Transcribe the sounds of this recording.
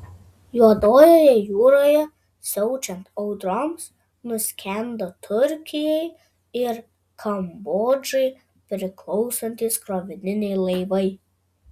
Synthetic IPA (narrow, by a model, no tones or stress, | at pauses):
juɔd̪oːjoːjɛjuːɾoːjɛ | sʲɔʊt͡ʃʲɛnt̪ɔʊd̪ɾɔms | nʊsʲkʲɛnd̪ot̪ʰʊɾʲkʲɪjɛɪ | ɪɾ | kʰɐmboːd͡ʒɛɪ | pʲɾʲɪklˠɔʊsɐnʲt̪ʲiːskɾoʋʲɪnʲɪnʲɛɪlˠɐɪʋɐɪ